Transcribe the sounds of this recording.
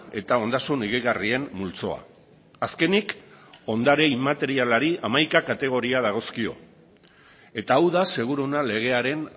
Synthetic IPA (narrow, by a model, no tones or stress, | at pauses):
e̞̰t̪ao̞nd̪asuniɣiɣarie̞mmult͡so̞̰a̰ː | ske̞niko̞nd̪aɾe̞imat̪e̞ɾialaɾiʔamajkakat̪e̞ɣ̞o̞ɾiað̞aɣ̞o̞skio̞̰ | e̞t̪aːwðase̞ɣ̞uɾonale̞ɣ̞e̞aɾe̞n